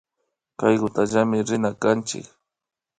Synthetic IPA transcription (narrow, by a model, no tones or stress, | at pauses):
kajɢʊt̪aʒamɪɾɪnakant͡ʃɪ̰k